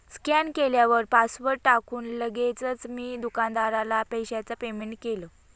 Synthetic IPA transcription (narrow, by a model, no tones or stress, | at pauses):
skjankeljaʋəɾpasʋəɾʈakuːnləɡet͡sət͡smiːd̪ukand̪aɾalapəjɕat͡sapemeɳʈ̚kelə